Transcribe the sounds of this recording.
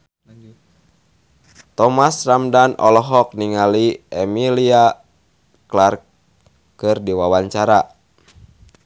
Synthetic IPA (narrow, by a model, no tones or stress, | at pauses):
t̪ɔmasramdanʔɔlɔɦɔk̚niŋaliɛmilia | klark | kɨrdiwawaɲt͡ʃaɾa